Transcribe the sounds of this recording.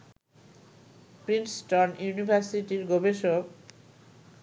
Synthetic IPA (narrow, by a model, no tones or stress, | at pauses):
pɾinsʈonjunibʱaɾsiʈiɾɡobeʃok